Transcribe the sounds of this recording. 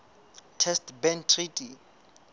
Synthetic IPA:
tʰɛstbɛntʰritʰʼi

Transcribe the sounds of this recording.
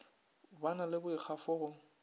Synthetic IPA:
banalɪbʊik͡xʰafʊːɣʊ

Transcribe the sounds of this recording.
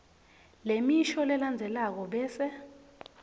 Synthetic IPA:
lemiʃɔlɛland͡zʱɛlak̬ɔɓɛːsɛ

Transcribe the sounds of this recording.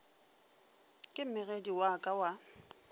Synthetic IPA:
kʼɪm̩mɪɣediwakʼawa

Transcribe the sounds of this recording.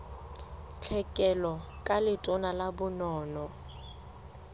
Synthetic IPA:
t͡ɬʰɛkʼɛlɔ | kʼalɪtʼʊnalabʊnɔːnɔ

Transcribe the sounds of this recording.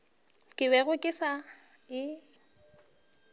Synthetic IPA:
kʼɪbɛɣʊkʼɪsa | ɪ

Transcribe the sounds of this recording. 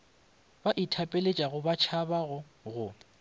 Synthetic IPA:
baʔitʰapʼelet͡ʃʼaɣʊbat͡ʃʰabaɣʊ | ɣʊ

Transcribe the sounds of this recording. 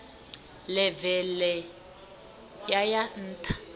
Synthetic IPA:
lɛvɛlɛ | jajan̩ːtʰʼḁ

